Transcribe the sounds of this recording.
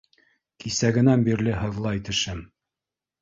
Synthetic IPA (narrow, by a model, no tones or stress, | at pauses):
kisæɡɘ̆nænbiɾlɘɦɤ̆ðlˠɑit̪ɘ̆ʃɘm